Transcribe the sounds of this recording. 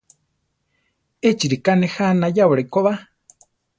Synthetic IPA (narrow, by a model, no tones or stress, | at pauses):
et͡ʃiɾikanehanajawɺaikoβa